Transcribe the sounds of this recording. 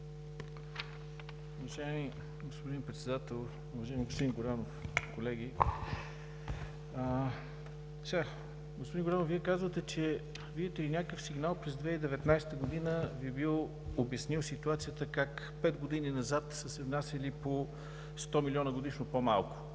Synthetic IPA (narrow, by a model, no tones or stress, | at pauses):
ʊvɐʒaɛmi | ɡospod̪inpɾɛt̪sɛd̪at̪ɛlˠ | uvɐʒaɛmiɡospod̪inɡoɾanofkolɛɡʲi | ə | sa | ɡospod̪inɡoɾanofviɛkazvət̪ɛt͡ʃɛ | viɛt̪ɛlinʲakəfsiɡnalˠpɾɛzd̪vɛid̪ɛvɛt̪najsɛ̥t̪əɡod̪inəviɛbilˠ | objɐsniwˠsit̪uat̪sijət̪əkak | pɛd̪ɡod̪ininɐzat̪səsɛvnasʲɐlipo | st̪ɔmilʲiɔnəɡod̪iʃnopomalˠkʊ̥